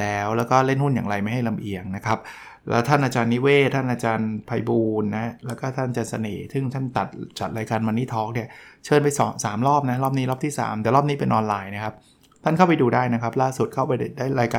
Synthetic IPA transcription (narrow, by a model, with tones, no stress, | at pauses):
lɛː˦˥wlɛː˦˥wkɔː˥˩le˥˩nhu˥˩njaː˨˩ŋɾa˧jma˥˩jɦa˥˩jla˧mʔi˨˩əŋna˦˥kʰa˦˥p̚ | lɛ̰ː˦˥wt̪ʰa˥˩nʔaː˧t͡ɕaː˧nːi˦˥weː˥˩t̪ʰːa˥˩nʔaː˧t͡ɕaː˧npʰa˧jbuː˧nːa˦˥lɛː˦˥wkɔː˥˩t̪ʰa˥˩˧t͡ɕaː˧nsa̰˧nḛː˩˦sɯ˥˩ŋt̪ʰa˥˩nt̪a˨˩t̪̚t͡ɕa˨˩t̪̚ɾaː˧jkaː˧nmaː˧ni˦˥˩t̪ʰɔː˦˥k̚ni˥˩ɐt͡ɕʰɤː˧npa˧jsɔː˩˦msaː˩˦mlɔː˥˩p̚na˦˥lɔː˥˩p̚niː˦lɔː˥˩p̪̚ʰiː˥˩sa̰ː˩˦mt̪ɛː˨˩lɔː˥˩p̚niː˦˥pe˧nʔɔː˧nlaː˧jna˦˥kʰa˦˥p̚ | t̪ʰa˥˩nkʰa˥˩wpa˧jduː˧daː˥˩jna˦˥kʰa˦˥p̚laː˥˩su˨˩t̪̚kʰa˥˩wpa˧jda˨˩daː˥˩jɾaː˧jkaː˧